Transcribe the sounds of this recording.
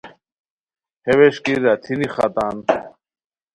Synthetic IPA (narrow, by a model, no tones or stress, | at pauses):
heweʃkiɾat̪ʰiniχa̰t̪aːn